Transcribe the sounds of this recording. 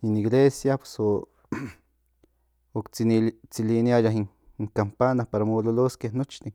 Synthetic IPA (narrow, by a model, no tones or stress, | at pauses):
iniɡlesjapwe̥so | okt͡silinjajaɦiŋ | ŋkampanapaɾamololoskenot͡ʃt̪i